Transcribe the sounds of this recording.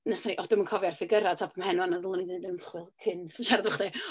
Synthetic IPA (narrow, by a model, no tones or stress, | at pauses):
naθaniʔɔd̥ʊmənkʰɔvjarfɪɡəɾatʰapʰəmhɛnwanəðlˠəniðdəmχwɪlˠkʰɪnθʃaɾadɔχde